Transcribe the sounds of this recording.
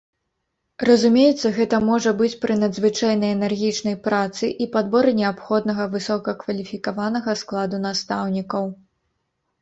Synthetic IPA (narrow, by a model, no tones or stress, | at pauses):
rɐzumʲejɛt̪sːɐɣɛt̪ɐmɔʐɐbɨt͡sʲpɾɨnɐd̪zvɨt͡ʂajnɐjɛnɛrɣʲit͡ʂnɐjpɾat̪sɨʔipad̪bɔɾɨnʲɛapxɔd̪nɐɣɐvɨsɔkɐkvɐlʲifʲikavanɐɣɐsklˠad̪un̪ast̪awnʲikɐw